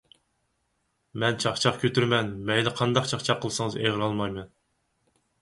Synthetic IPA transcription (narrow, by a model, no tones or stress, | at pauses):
mɛnt͡ʃʰɑχt͡ʃʰɑχkʲʰøt̪yɾmɛnmɛjlɪqʰɑnd̪ɑqt͡ʃʰɑχt͡ʃʰɑqʰːəlˠsɨŋəzeʁɪɾɑlˠmɑjmɛn